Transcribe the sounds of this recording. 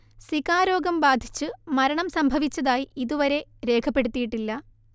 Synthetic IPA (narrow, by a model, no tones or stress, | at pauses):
swikaːɾo̞ːɡɐmbaːd̪ʱi̥t͡ɕːɨmɐɾɐɳɐmsɐmbʱɐʋit͡ɕːɐðaːjiiðuʋɐɾe̞ɾe̞ːkʰɐpːe̞ɽut̪ːijiʈːilːɐ